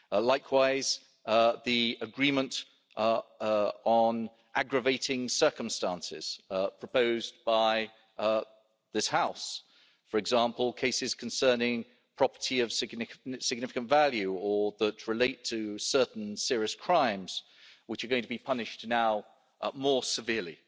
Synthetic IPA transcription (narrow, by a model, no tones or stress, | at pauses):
laɪkʰwaɪz̥ | ðiəɡɹĩmə̃nt | n̩ | ʔaɡɹəveɪtɪ̃ŋsɜˑ˞kə̃mstæ̃nsɪ̰z̥pʰɹ̥əpəʊzb̥aɪ | ðɪshaʊs | fə˞ɨɡzɑ̃ˑmpəl̩ˠkʰeɪsɪz̥kʰə̃nsɜːnɪ̃ŋ | pʰɹ̥ɒpə̥tʰiʌv̥sɪɡnɪsɪɡ̚nɪfɪ̥kə̃ntvælˠjʉəðətɹɨleɪtʰəsɜˑʔn̩sɪəɹiəskʰɹ̥ãɪ̃mz̥ | wət͡ʃə˞ɡoʊɪ̃ŋtʰəbipʰʌnɪʃtnaʊ | mɔɹsɪvɪəlḭ